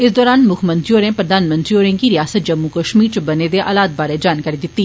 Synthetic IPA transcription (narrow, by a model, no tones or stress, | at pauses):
ɪsd̪ɔːɾaːnmʊkʰmə̃nt̪ɾioːɾẽːpɾəd̪aːnmə̃nt̪ɾioːɾẽːŋɡiːɾɪjaːsət̪̚d͡ʒəmːuːkəʃmiːɾt͡ʃəbəneːd̪eːʔa̰ːlaːt̪̚baːɾeːd͡ʒaːnkaːɾiːd̪ɪt̪ːiː